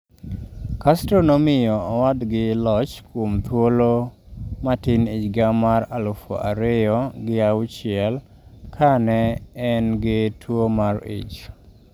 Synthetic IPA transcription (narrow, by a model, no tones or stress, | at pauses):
kastɾonɔmɪjɔɔwadɡɪlɔt͡ʃkwomt̪wolo | matɪnɪt͡ʃɡamaɾalufɔ̰ʔa̰ɾɪjɔɡɪawt͡ʃɪɛl | kʰanɛɛnɡɪtʰwomaɾḭt͡ʃ